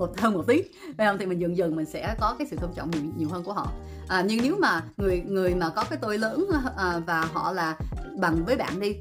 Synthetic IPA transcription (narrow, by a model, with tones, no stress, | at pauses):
mo˨˩t̪̚ʰəː˧nm˨˩t̚t̪i˨˦˥t̚ | və˧jhə˧ŋ͡mt̪ʰi˨˩mï˨˩ŋ̟zɨ˨˩ŋzɨ˨˩ŋmï˨˩ŋ̟sɛ̰˧˥kɔ˨˦kaː˨˦jsɨ̰˧˨t̪ə˧ŋ͡mt͡ɕɔ̰˧˨wŋ͡mɲ˨˩ɲi˨˩əwɦə˧nku˧˩əhɔ̰˧˨ | ʔaː˨˩ɲɨ˧ŋne˨˦wmaː˨˩ŋɨ˨˩əjŋɨ˨˩əjmaː˨˩kɔ˨˦kaː˨˦jt̪o˧jləː˧˦˥nʔːvaː˨˩ɦɔ̰˧˨laː˨˩ɓa˨˩ŋvəː˨˦jɓa̰ː˧˨nɗi˧